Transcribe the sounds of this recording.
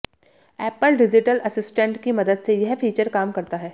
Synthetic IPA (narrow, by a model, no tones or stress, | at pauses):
ɛːpəlɖɪd͡ʒɪʈəlʔɐsɪsʈə̃ɳʈkimɐd̪əd̪sejɛɦfʰiːt͡ʃəɾkaːmkɐɾt̪aɦɛː